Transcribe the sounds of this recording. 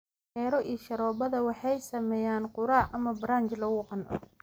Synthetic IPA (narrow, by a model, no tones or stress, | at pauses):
ɛːɾɔʔiːʃɐɾɔːbɐðɐwɑħɑjsɐmɛːjaːnqʊɾaːʔɐmɐbɾaːnt͡ʃlɐɣʊːqɑnʔɔ̰